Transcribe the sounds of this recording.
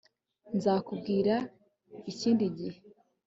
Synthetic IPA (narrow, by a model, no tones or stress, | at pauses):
nzaːkubɡiːɾa | iciːndiɟihe